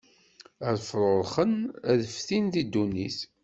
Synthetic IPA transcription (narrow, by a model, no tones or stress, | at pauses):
æðfɾˤoɾˤχənæðəfθinðid̪ːuniθ